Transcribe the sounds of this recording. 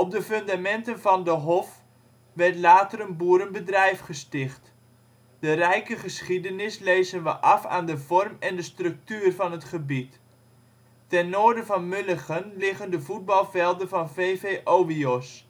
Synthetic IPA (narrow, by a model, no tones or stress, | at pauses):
ɔp̚dəføndamɛntənvɑndəɦɔf | ʋɛrtlaːtərənbuəɾənbədrɛjfχəstɪχt | d̥ərɛjkəχəsχidənɪsleːzənʋəʔɑfa̰ːndəvɔrmɛndəstrɵk̚tyːrvɑnətχəbit | tɛnːoərdəvɑnmʏləχənlɪχəndəvud̚bɑlˠvɛlˠdəvɑnveːveːʔoːʋiɔs